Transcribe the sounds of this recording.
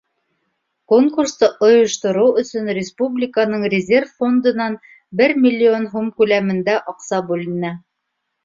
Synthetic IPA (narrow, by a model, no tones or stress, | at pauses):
koŋkurst̪ɤʔŏjŏʃt̪ŏɾɤwɵ̆sɵnrʲɪspublʲɪkanɤɴrʲɪzʲerffo̞nd̪ɤ̆nɑn | bɘɾmʲilʲːio̞nɦumkʉlæmɘ̆nd̪æʔɑqsɑbʉlɘ̆nɘ